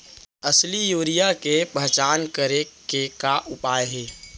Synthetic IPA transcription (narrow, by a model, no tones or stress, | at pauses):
əslijoːɾijakepəɦt͡ʃaːnkəɾekekaʔʊpaːjɦeː